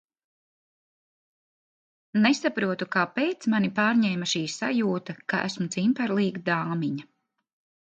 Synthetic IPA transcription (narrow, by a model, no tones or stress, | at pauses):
nesapɾuɔt̪ukaːpejt̪smanipaːɾɲɛːmaʃiːsajuːt̪aka̰ʔæ̰smut̪simpɛɾlˠiːɡd̪aːmiɲa